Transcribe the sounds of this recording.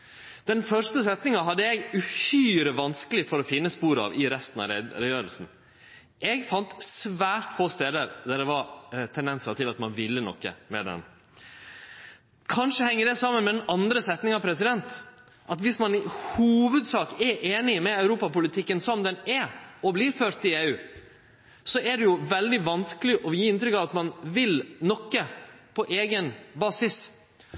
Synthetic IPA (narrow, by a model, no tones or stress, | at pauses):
d̪̥ɛnfœʂt̪əsɛt̪nɪŋɑɦɑd̪ːəɛɡʉhyːɾəʋɑnskəlɪfɔɾɔfɪnːəspuːɾɑ̰ʋɪɾɛst̪n̩ɑ̰ɾɛjøːɾəlsn̩ | ɛɡfɑnt̪sʋæːɾt̪foːst̪eːd̪əɾd̪æɖ̪ɛʋɑɾt̪ʰɛnd̪ɛnsəɾʈ̪ɪlɑt̪mɑnʋɪlːənɔ̰kːə̰mɛd̪ɛ̰n | kʰɑnʂəhɛŋːəɖɛsɑmːənmɛd̪ɛnɑnd̪ɾəsɛt̪nɪŋɑpʰɾɛsɪd̪ɛnt̪ | ʔɑt̪ʋɪsmɑnɪhuːʋʉd̪sɑːkɛʔeːnɪmɛɑʉɾuːpɑpʊlɪt̪ʰɪkːənsɔmd̪ɛnɛɔblɪɾføːʈ̪ɪeːʉː | sɔʔæɖɛjʊʋɛld̪ɪʋɑnskəlɪʔɔjiːɪnt̪ɾʏkɑʋɑt̪mɑnʋɪlnɔkːəpʰɔʔeːɡənbɑːsɪs